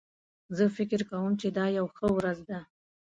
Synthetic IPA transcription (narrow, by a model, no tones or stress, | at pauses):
zəfɪkɪɾkawəmt͡ʃed̪ɑjawxəwɾazd̪a